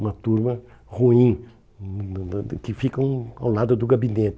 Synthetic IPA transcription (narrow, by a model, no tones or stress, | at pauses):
ũmɐt̪uɾmɐ | huĩ | kɪfikɐũa̰wlad̪ʊd̪ʊɡabinet̪ɪ